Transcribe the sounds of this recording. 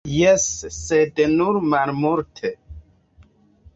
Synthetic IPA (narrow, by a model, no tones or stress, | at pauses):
jesːed̪nuɾmalmuɾtʰe